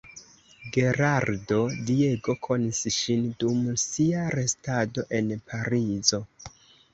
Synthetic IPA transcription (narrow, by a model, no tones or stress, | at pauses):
ɡe̞ɾaɾdo̞die̞ɡo̞kʰo̞nisʃindumsiaɾe̞stado̞ʔe̞npʰaɾizo̞